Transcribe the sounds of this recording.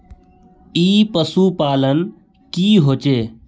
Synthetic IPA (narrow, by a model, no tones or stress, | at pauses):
iːpəsuːpaːlən | kiːɦoːt͡ʃeː